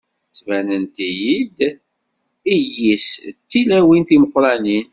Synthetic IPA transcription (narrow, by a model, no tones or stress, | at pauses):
θvænənt̪ijid̪ | ijist̪ːilæwinθiməqːɾɑnin